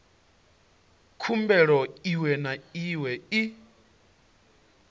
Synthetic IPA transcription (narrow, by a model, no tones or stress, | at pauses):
kʰumbɛɺɔiwɛnaiwɛi